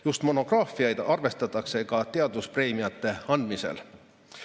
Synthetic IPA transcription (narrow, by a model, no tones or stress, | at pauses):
just̪mo̞no̞ɡ̥rɑːfiɑjd̪̥ɑrve̞st̪ɑt̪ːˑɑkse̞kɑt̪e̞ɑd̪uspre̞ːmiɑt̪ːe̞ɑnd̪mise̞̰l